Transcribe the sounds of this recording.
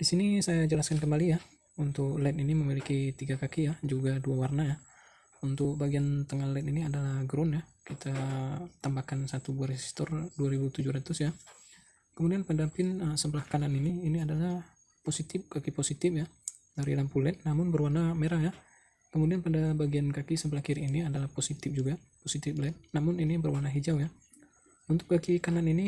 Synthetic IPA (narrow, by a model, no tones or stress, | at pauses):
d̥isinisajad͡ʒəlaskank̬əmbalija | unt̪ʊklɛt̪iniməmilikit̪iɡakakijad͡ʒuɡaduawarnaja | unt̪ʊk̚baɡiant̪əŋahlɛt̪iniadalahɡɾɔnjakit̪at̪ambakansat̪ubuaresi̥st̪ɔrduaɾibut̪ud͡ʒuɾat̪ʊsja | kəmudianpədapɪnəsəmbəlahkananiniːniadala | posit̪ɪp̚kakiposit̪ɪfja | daɾilampulɛt̪̚namʊnbərwanameɾaŋja | kəmudianpadabaɡiankakisəmbəlahkiɾiniadalahposit̪ɪf̚d͡ʒuɡa | posit̪ɪflɛt̪̚namʊninibərwanaɦid͡ʒawja | unt̪ʊ̥k̚kakikananini